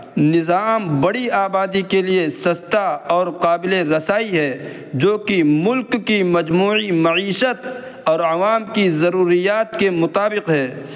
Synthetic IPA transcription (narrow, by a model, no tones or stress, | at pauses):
nɪzaːmbɐɽiaːbaːd̪ikeliesɐst̪aɔːɾqaːbɪleɾɐsaːiɦɛː | d͡ʒoːkimʊlkːimɐd͡ʒmuːimɐʕiːʃət̪ | ɔːɾɐʋaːmkizɐɾuːɾijaːt̪̚kemʊt̪aːbɪqɦɛː